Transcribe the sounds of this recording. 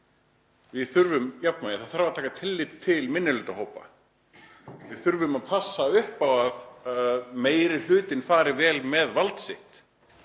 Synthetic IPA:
vɪðθʏɾvʏmjap̚naɪθaðθaɾvaɾt̪ʰaːkat̪ʰɪlːɪt̪t̪ʰːɪlmɪnːɪlʏːt̪ahoːwpa̰ | vɪðθʏɾvʏmaðpʰasːaʏhpawaðaðmeːjɾɪl̥ʏːt̪ɪnfaːɾɪvɛːlmɛðvalt̪sɪht̪

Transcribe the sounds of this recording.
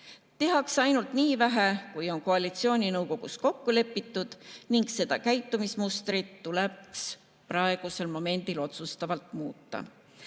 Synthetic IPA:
t̪e̞ɦɑksɑjnult̪niːvæɦekujo̞nkoɑlit̪sio̞ːnʲinɤwko̞ɡ̥usko̞kːule̞pːit̪ːud̪̥niŋɡse̞d̪̥ɑkæjt̪ːˑumismust̪rit̪ːuleks | prɑe̞ɡ̥use̞lmo̞me̞nʲd̪̥ilo̞t̪sust̪ɑvɑlt̪ˑmuːt̪ːɑ̰

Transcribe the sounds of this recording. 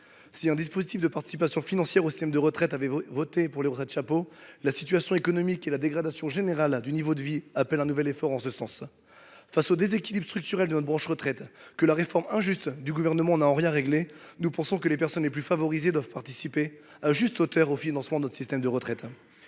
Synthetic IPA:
siɛ̃d̪ispozit̪ifd̪əpaʁt̪i̥sipasjɔ̃finɑ̃sjɛʁosist̪ɛmd̪əʁət̪χɛt̪avɛvɔt̪epuʁleʁɔt̪χɛt̪ʃapolasi̥t̪ɥasjɔ̃ekɔnɔmikelad̪eɡʁad̪asjɔ̃ʒeneʁald̪ynivod̪əviapɛlɛ̃nuvɛlefɔʁɑ̃səsɑ̃s | fasod̪ezekʲilibʁst̪χyk̚t̪yʁɛld̪ənɔbʁɑ̃ʃʁət̪χɛt̪kəlaʁefɔʁmɛ̃ʒyst̪d̪yɡuvɛʁnəmɑ̃naɑ̃ʁjɛ̃ʁeɡlenupɑ̃sɔ̃kəlepɛʁsɔnleplyfavɔʁized̪wavpaʁt̪isipe | aʒyst̪ot̪œʁofinɑ̃smɑ̃d̪ənt̪χsist̪ɛmd̪əʁət̪χɛt̪

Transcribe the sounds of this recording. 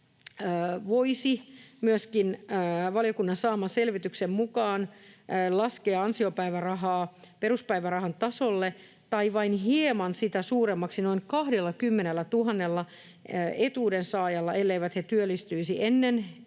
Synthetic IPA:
ʋoisimyøskinːʋɑljokunːɑnsɑːmɑselʋit̪yksemmukɑːnːlɑskeːɑnsiopæiʋærɑɦɑːpeɾuspæiʋærɑhɑnt̪ɑsolːe | t̪ɑiʋɑinɦiemɑnsit̪æsuːremːɑksinoiŋkɑhdelːɑkymːenelːæt̪uɦɑnːelːɑ | et̪uːdensɑːjɑlːɑʔelːeiʋæt̪het̪yølːist̪yisiʔenːen

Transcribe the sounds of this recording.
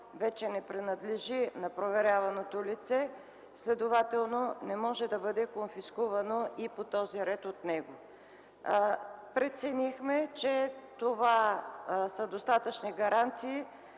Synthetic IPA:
vɛt͡ʃɛnɛpɾɛnɐd̪lɛʒinɐpɾovɛɾʲjavɐnot̪olit̪sɛ | slʲɛd̪ovat̪ɛlˠnonɛmɔʒɛd̪ɐbɤd̪ɛkonfiskuvɐnoipot̪ɔziɾɛt̪ot̪nɛɡo | pɾɛt̪sɛnixmɛt͡ʃɛt̪ova | səd̪ost̪at̪ət͡ʃniɡɐɾant̪siː

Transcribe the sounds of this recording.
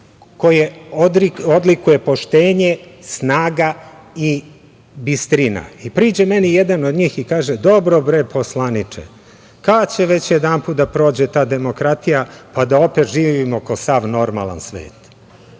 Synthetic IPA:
kojeod̪iod̪likuje̞po̞ʃt̪eːɲesnaːɡai | bist̪ɾina̰ipɾiːd͡ʑemenijed̪ano̞d̪ɲiːxikaːʒed̪o̞bɾo̞bɾepʰoslˠanit͡ʂḛ | kat͡ɕeʋe̞t͡ɕjed̪anpuːt̪d̪apɾo̞ːd͡ʑet̪aːd̪e̞mo̞kɾat̪ijapad̪ao̞pe̞t̪ʒiːʋimo̞kosaʋno̞ɾma̰lˠa̰nsʋḛːt̪

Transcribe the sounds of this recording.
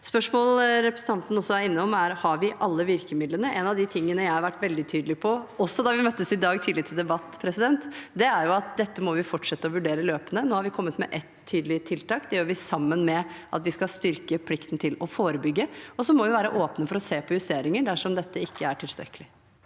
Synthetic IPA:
spœʂmoːlɾɛpɾə̥sn̩ɑnt̪n̩ɔsːɔæɾɪnːəɔmæɾhɑɾʋɪʔɑlːəʋɪɾkəmɪd̪lənəʔɛnɑʋd̪ɪt̪ʰɪŋːənəjæɪhɑɾʋæʈːʋɛld̪ɪt̪ʰyːd̪lɪpʰɔɔsːɔd̪ɑʋɪmœt̪ːəsɪd̪ɑːɡt̪ʰɪːlɪt̪ʰːɪld̪ɛbɑt̪ːpʰɾɛsɪd̪ɛnt̪d̪ɛæɾjʊɑt̪̚d̪ɛt̪ːəmɔʋɪfɔʈʂɛt̪ːəɔʋʉɖeːɾəløːpənənoːhɑɾʋɪkʰɔmːət̪mɛʔɛt̪ʰːyːd̪lɪt̪ʰɪlt̪ʰɑːkd̪ɛjøːɾʋɪsɑmːənmɛʔɑ̰t̪ʋɪskɑst̪ʏɾkəpʰlɪkt̪n̩t̪ʰɪlɔfoːɾəbʏɡːəɔsɔmɔʋɪʋæːɾəʔoːpnəfɔɾɔseːpʰɔjʉst̪eːɾɪŋəɖæʂɔmd̪ɛt̪ːəɪkːəæʈʰɪlst̪ɾɛ̰kːəlɪ

